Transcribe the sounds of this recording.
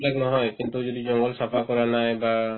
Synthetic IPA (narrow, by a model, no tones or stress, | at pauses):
laknɔɦɔjkint̪ud͡ʒɔdid͡ʒɔŋɡɔlsapʰakɔɾanajba